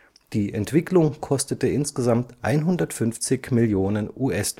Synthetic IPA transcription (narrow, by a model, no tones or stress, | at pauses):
d̥iːʔɛntv̥ɪklʊŋkʰɔstətəɪnsɡ̥əzamtʔa̰ɪnɦʊndɐtfʏnft͡sɪçmɪljoːnənʔuːʔɛsd